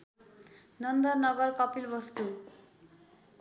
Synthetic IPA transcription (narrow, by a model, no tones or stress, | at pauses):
nʌnd̪ʌrnʌɡʌrkʌpilbʌst̪u